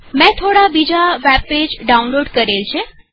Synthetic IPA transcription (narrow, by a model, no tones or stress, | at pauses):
mɛ̃t̪ʰoɽabid͡ʑaʋæbped͡ʑɖaunloɽkəɾelt͡ɕʰe